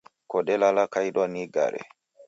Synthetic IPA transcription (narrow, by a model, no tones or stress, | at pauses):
kɔɗɛlalakajɗɔniɡa̰ɾɛ̰